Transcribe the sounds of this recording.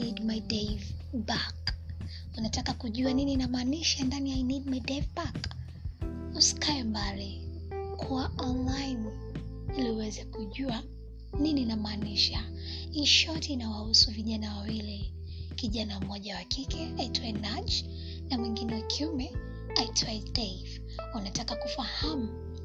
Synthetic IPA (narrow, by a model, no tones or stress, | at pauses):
idmajdɛvbak | unatakakuʄuanininamaːniʃandaniajnidmajdɛvbak | uskaɛmbali | kʰuaɔnlajn | iliwɛzɛkuʄua | nininamaːniʃa | iʃɔtːnawahusuviʄanawawili | kiʄanam̩mɔʄawakikɛaitʰwaɛnad͡ʒ | namwiŋɡinɛwakʰiumɛ | aitʰwaidɛiv | unatakakufahamu